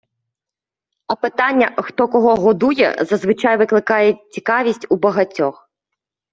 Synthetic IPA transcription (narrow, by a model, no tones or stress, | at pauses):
ɐpɪt̪ɑnʲːɐxt̪ɔkɔɦɔɦɔd̪ujɛ̰zɐzʋɪt͡ʃɑjʋɪklˠɪkɑjɛt͡sʲikɑʋʲisʲtʲubɐɦɐtʲːɔx